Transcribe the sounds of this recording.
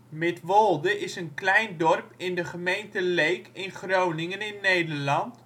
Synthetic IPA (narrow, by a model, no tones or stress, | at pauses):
mɛtʋolˠdəʔɪsənklɛjndɔrpɪndəχəmejntəlejkɪnχrownɪŋənɪnːejdərlɑnt